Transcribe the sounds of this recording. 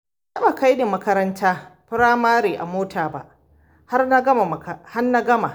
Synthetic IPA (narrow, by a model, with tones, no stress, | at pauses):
a˦ba˨ka˦jde˨mɐ˦kɐ˦ɾɐ˦ntʰaː˦pɪ˦ɽaː˦maː˦ɾeː˨ʔa̰˨moː˦tʰaː˨ba̰˦ʔ | ha˦rna˦ɡɐ˦ma˨ha˦nna˦ɡɐ˦ma˨